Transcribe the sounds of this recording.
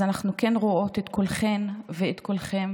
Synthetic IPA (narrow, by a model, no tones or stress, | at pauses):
anaχnukenʁoo̞t̪et̪kʰo̞lχenveːt̪kolχem